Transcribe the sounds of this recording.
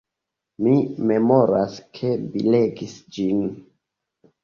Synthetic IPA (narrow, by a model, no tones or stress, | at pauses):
mime̞mo̞ɾaskʰe̞bḭleɡisd͡ʒin